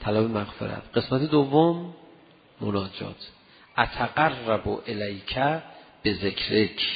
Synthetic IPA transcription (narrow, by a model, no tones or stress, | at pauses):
t̪ʰælæbemæɣfḛɾæ̰t̪ʰɢ̥e̞smæt̪ʰed̪ovːomː | o̰nɒːd͡ʒɒ̰ːt̪ʰ | ʔæt̪ʰæɢærːæboʔelæjcʰæb̥e̞zekʰɾekʰ